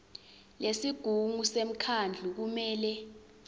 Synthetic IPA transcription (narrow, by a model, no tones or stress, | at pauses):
lesiɡ̥ʱuŋusem̩kʰand͡ɮʱuk̬umɛːlɛ